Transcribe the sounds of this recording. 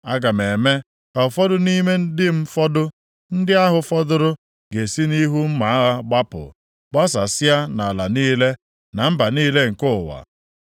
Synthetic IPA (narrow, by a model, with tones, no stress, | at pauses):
a˦ɡa˨me˨me˦ | ka˨fɔ˦dʊ˦ni˦me˦n̩˦dɪ˦m̩˦fɔ˦dʊ˦ | n̩˦dɪ˦a˦ɦʊ˨fɔ˦dʊ˦ɾʊ˦ | ɡe˨si˦ni˦ɦu˦m̩˦ma˨a˦ɣa˦ɡ͡ba˦pʊ̰˨ | k͡pɔ˦sa˨sɪ˦a˦na˨la˨niː˦le˦ | na˨m̩˦ba˨niː˦le˦ŋ̩˨kʊ˦˨wa̰˨